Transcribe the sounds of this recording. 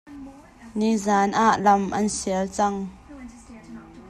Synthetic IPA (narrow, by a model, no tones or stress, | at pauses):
nizaːnʔaʔlɐmʔɐnsiəlt͡sɐŋ